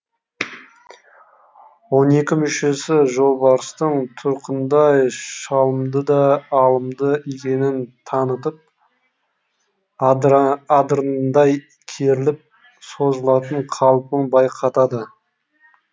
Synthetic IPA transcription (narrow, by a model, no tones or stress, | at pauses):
wo̞ne̞kʲɪmʏʃe̞sɪʒo̞lˠbɑɾəst̪əɴt̪ʰʊɾqənd̪ɑjʃɑlˠəmd̪əd̪ɑːlˠəmd̪əekʲe̞nɪnt̪ʰɑnət̪əp̚ | ɑd̪ɾənd̪ɑj | kʲʰe̞ɾɪlɪp̚ | so̞zəlˠɑt̪əɴqʰɑlˠpəɴbɑjqʰɑt̪ɑd̪ə